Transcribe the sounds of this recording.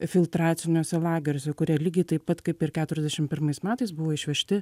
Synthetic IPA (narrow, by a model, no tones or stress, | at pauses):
fʲɪlˠt̪ɾɑːt̪sʲɪnʲoːsʲɛlˠɑːɡʲɛɾʲoːsʲɛkʊɾʲiɛlʲiːɡʲɛɪt̪ɐɪppɐt̪kɐɪpɪɾkʲæːt̪ʊɾʲɛzd̪ʲɛʃʲɪmpʲɪɾmɐɪsmʲæːt̪ɐɪsbʊʋoːɪʃʲʋʲɛʃʲt̪ʲɪ